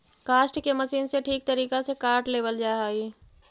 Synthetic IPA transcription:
kaːʃʈkemɐsiːnseʈʰiːk̚t̪ɐɾiːkasekaːɾʈleːʋəld͡ʒaːeɦaːiː

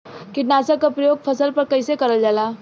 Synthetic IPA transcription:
kɪʈnasəkːapɾəjoːɡ̚pʰəsəlpəɾkəɪsekəɾəld͡ʒaːla

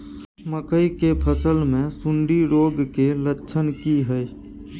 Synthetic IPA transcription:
məkəikepʰəsəlmẽsʊɳɖiɾoːɡkelətːʃʰənkiɦəj

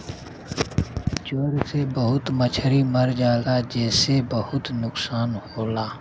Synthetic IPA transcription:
t͡ʃoːɾsebəɦʊt̪mət͡ʃʰəɾiməɾd͡ʒaːlad͡ʒɛːsebəhʊt̪nʊksaːnhoːlaː

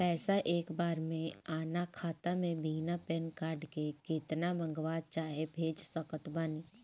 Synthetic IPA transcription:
pɛːsaʔeːkbaːɾmẽaːnakʰaːt̪amẽbʱiːnapɛnkaːɾɖkekeːt̪nabə̃ŋɡʋaːt͡ʃaːɦebʱeːd͡ʒsəkət̪baːniː

